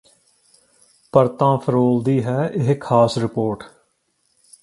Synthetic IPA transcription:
pəɾt̪ãːpʰəɾoːld̪iːɦɛːʔɪɦkʰaːsɾɪpoːɾʈ

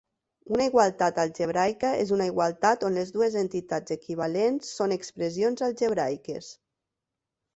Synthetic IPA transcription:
unaiɣwalˠt̪at̪alˠʒeβɾajkaezunaiɣwalˠt̪at̪onlezðuezent̪it̪ad͡zekiβ̞alensːonekspɾezionzalˠʒeβɾajkḛs

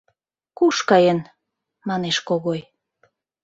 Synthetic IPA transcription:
kuʃkɑjen | mɑneʃkoɣoj

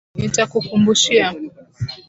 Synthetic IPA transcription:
nitakukumbuʃia

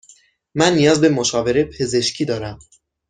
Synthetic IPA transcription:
mænːijɒːzbe̞moʃɒːve̞ɾepʰe̞ze̞ʃcʰiːd̪ɒːɾæm

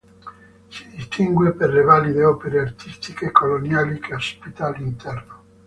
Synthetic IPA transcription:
si̥d̪ist̪ʰiŋɡweperlevalid̪eɔpeɾeart̪ʰist̪ikekolonjaːlikʰeospit̪alint̪ɛrno

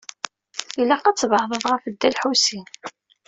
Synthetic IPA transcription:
ilæqɑt͡sːvhðˤəðˤʁəfəd̪ːælħusin

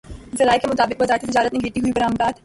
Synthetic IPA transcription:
zɐlaːjkemʊt̪aːbɪq̚bɐzaːɾt̪it̪ɪd͡ʒaːɾət̪̚neɡʱeːʈiɦuibɐɾaːmd̪aːt̪

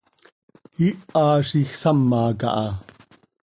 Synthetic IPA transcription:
iʔɑːʃixsɐmːɑːkɑ̰ʔɑ

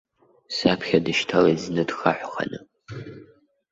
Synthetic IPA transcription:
sapʰχʲadɨʃtʰaleznɨdxaħʷχɐ̰nɨ

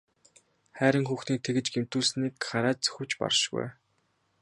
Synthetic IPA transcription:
χæːɾə̆ŋxuːxniːk̚t̪ʰeɣɘ̆t͡ɕɡem̥t̪uːɮsniːkχaɾaːt͡ɕ̚t͡sɵ̥xʲɘ̆wt͡ɕpɔ̰rʃɡṵj

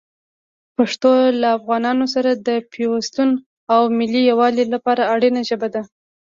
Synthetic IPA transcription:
paʂt̪olaːfɣɑnɑnos̬aɾad̪əpʰewast̪un | awmɪlːijawɑlilapɑɾaːɽinaʒəbad̪a

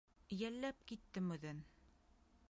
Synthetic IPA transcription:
jælːæp̚kit̪ːɘmɵ̆ðɘn

